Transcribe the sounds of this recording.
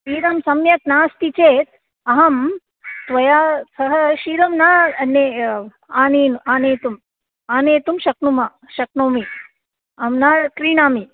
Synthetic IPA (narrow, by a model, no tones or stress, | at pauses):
iːɾɐmsɐmjɐknaːst̪it͡ʃeːt̪̚ | ɐɦɐm | t̪ʋɐjaːsɐɦɐʃiːɾɐmnaːɐnːe | aːniːnuaːneːt̪um | aːneːt̪umʃɐknuma | ʃɐk̚noːmi | ɐmnaːkɾiːnaːmi